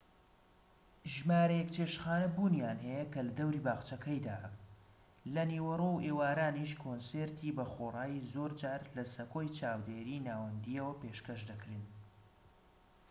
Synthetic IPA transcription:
ʒmaːɾɐjɛkt͡ʃʰeːʃxaːnɐbunjaːnɦɐjɐkɐlɐd̪ɐwɾiːbaːχt͡ʃɐkʰɐjd̪a̰ː | lɐniːwɐrowʔeːwaːɾaːniʃkʰonseːɾt̪ʰibɐxoːrˤaːjizoɾd͡ʒaːɾlɐsɐkoːjt͡ʃʰaːwd̪eːɾiːnaːwɐnd̪iɐwɐpeːʃkɐʃd̪ɐkɾin

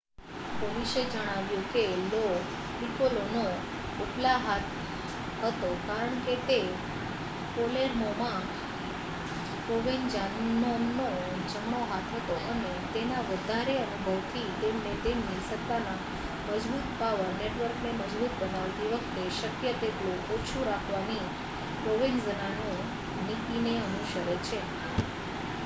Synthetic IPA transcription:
koɽiʃed͡ʒəɽ̃aʋjũkelo | nikolono | uʈlaɦat̪ʰ | ɦət̪okaɾəɳ̃ket̪e | koleɾmomã | koʋend͡ʒannonːo | t͡ʃəmnoɦat̪ʰɦət̪oʔəne | t̪enaʋəd̪ʱaɾeənubʱəʋt̪ʰit̪emnet̪emnisət̪ːana | məd͡ʒbut̪paʋəɾneʈʋəɾkneməd͡ʒbut̪bənaʋt̪iʋəkʰt̪eʃəkjət̪eʈlũʔot͡ʃʰũɾakʰʋani | pɾoʋɪnzənano | nikineənuʃəɾet͡ʃʰe

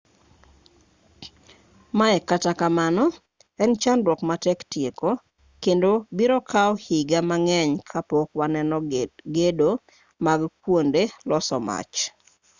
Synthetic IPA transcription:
maɛkatakamanɔ | ɛnt͡ʃandwɔkmatɛktjeko | kendobiɾɔkʰaɔhiɡamaŋɛɲkʰapokwanɛnɔɡedo | maɡkwondelɔsɔ̰ma̰t͡ʃ

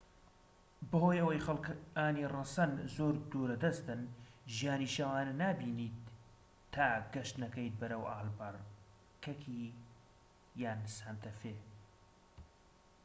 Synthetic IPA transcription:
bɨhoːjʔɐwɐjxɐlkaːniːrɐsɐnzoːɾd̪uːɾɐd̪ɐst̪ɨnʒijaːniːʃɐwaːnɐnaːbiːniːt̪ʰː | aːɡɐʃt̪nɐkɐjt̪̚bɐɾɐwʔaːlbɐr | kʰɐkʰi | jaːnsant̪ʰɐfeː

